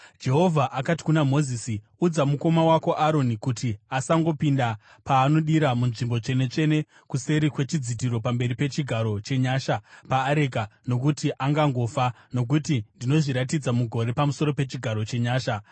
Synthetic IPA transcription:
d͡ʒe̞ɦo̞vʱaʔakati̥kunamo̞zisi | ud͡zamuko̞mawako̞ʔaɾo̞nikutiasaŋɡo̞pinda | paːno̞ɗiɾamunʐimbo̞t͡ʂe̞ne̞t͡ʂe̞ne̞ | kuse̞ɾikwe̞t͡ʃid͡zidʱiɾo̞pambe̞ɾipe̞t͡ʃiɡʱaɾo̞t͡ʃe̞ɲaːʃapaːɾekano̞k̬utiʔaŋɡaŋɡo̞ːfa | no̞k̬utindino̞ʐiɾatid͡zamuɡʱo̞ɾe̞pamuso̞ɾo̞pe̞t͡ʃiɡʱaɾo̞t͡ʃe̞ɲaːʃa

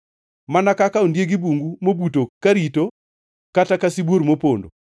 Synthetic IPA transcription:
manakakaondjeɡibuŋɡumobutokaɾito | katakasibwoɾmopondo̰

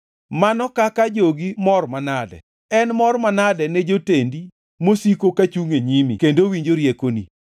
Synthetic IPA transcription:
manɔkakad͡ʒoɡimɔrmanadɛ̰ | ɛnmɔrmanadɛnɛd͡ʒotendi | mosikokat͡ʃuŋeɲimḭkendowiɲd͡ʒoɾjekoni

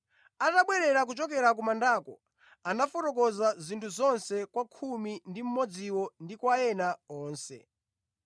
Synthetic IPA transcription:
ataɓwɛɾɛɾak̬ut͡ʃɔk̬ɛɾak̬umandaːkɔ | anafɔtɔk̬ɔzazintʰuzɔnsɛkwakʰumindim̩mɔd͡ziwɔndikwaɛnaɔːnsɛ̰

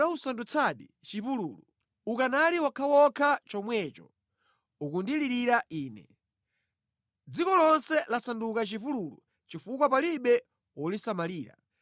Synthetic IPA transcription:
ausandut͡sʰaɗi | t͡ʃipulṵːlu | ukanaliwakʰawɔkʰat͡ʃɔmwɛt͡ʃɔ̰ | ukundiliɾiɾaʔiːnɛ̰ | d͡zikɔlɔnsɛlasandukat͡ʃipululṵ | t͡ʃifukwapaliɓɛ | wɔlisamaliːɾa̰

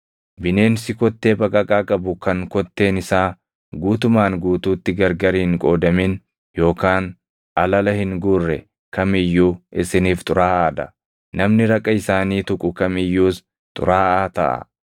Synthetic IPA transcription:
bɪne̞ːnsɪkɔt̪ːe̞ːbɐkʼɐkʼaːkʼɐbʊkɐŋkɔt̪ːe̞ːnɪsaː | ɡuːt̪ʊmaːŋɡuːt̪uːt̪ːɪɡɐɾɡɐɾɪɪŋkʼo̞ːd̪ɐmɪn | jo̞ːkaːn | ʔɐlɐlɐhɪŋɡʊrːɛ | kɐmɪjːuːʔɪsɪniːft̪ʼʊɾaːaːd̪ɐ̰ | nɐmnɪɾɐkʼːɐɪsaːniːt̪ʊkʼʊkɐmɪjːuːs | t̪ʼʊ̰ɾaːaːt̪ɐ̰ʔɐ̰

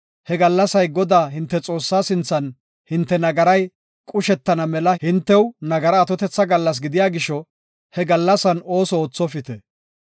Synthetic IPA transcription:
hɛɡɐlːɐsɐjɡɔd̪aːhɪnt̪ːɛt͡sʼo̞ːsːaːsɪnt͡sːɐn | hɪnt̪ːɛnɐɡɐɾɐj | kʼʊʃɛt̪ːɐnɐmɛlɐhɪnt̪ːɛwnɐɡɐɾɐːt̪ɔt̪ɛt͡sːɐɡɐlːɐs̬ɡɪd̪ɪjaːɡɪʃɔ | hɛɡɐlːɐsɐno̞ːsɔoːt͡sːɔfɪt̪ɛ

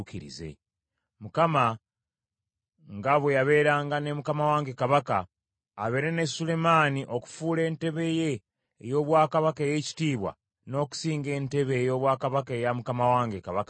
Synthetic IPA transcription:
kiɾḭze̞̰ | mukama | ŋɡaβwe̞jaβe̞ːɾaːŋɡane̞mukamawaːŋɡekaβakaː | βe̞ɾe̞nesule̞maːniʔo̞ku̥fuːle̞ːnte̞βe̞je̞ː | jo̞ːβwaːkaβakeje̞ci̥tiːβwa̰ | no̞ːku̥siːŋɡe̞ːnte̞βeːjo̞ːβwaːkaβakejamukamawaːŋɡekaβaka

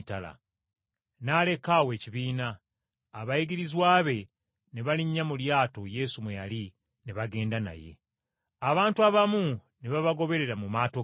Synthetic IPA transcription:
tala̰ | nale̞kawe̞ːciβiːnaː | βajiɡiɾizwaːβe̞ | neβaliɲːamuljaːto̞je̞sumweja̰li | neβaɡe̞ːndana̰je̞̰ | aβaːntuaβamuneβaβaɡo̞βe̞ɾe̞ɾamumaːto

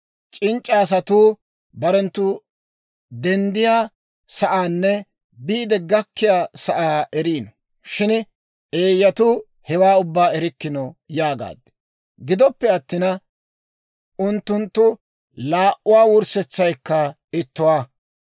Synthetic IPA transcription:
t͡ʃʼɪnt͡ʃʼːaːs̬ɐt̪uː | bɐɾɛnt̪ːʊ | d̪ɛnd̪ɪjaː | sɐʔaːnːɛ | biːd̪ɛɡɐkːɪjaːsɐʔaːʔɛɾiːnɔ | ʃɪn | ʔeːjːɐt̪ʊ | hɛwaːʊbːaːɛɾɪkːɪnɔjaːɡa̰ːd̪ɛ̥ | ɡɪd̪ɔpːɛɐt̪ːɪnɐ | ʔʊnt̪ːʊnt̪ːʊ | laːʔʊwaːwʊɾsɛt͡sːɐjkːɐ | ɪt̪ːʊwaː

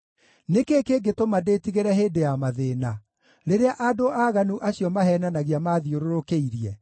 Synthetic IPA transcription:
nekekeɡetomadeːtiɣeɾɛɦeːdejamaðeːna | ɾeɾeaʔadoʔaɣanuʔaɕjɔmaɦɛnanaɣiamaðioɾoɾokeiɾiɛ

